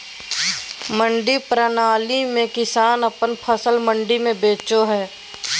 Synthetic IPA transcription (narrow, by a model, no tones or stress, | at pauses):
mə̃ɳɖipɾənaːlimẽkɪsaːnəpənpʰəsəlmə̃ɳɖimẽbeːt͡ʃoɦɛː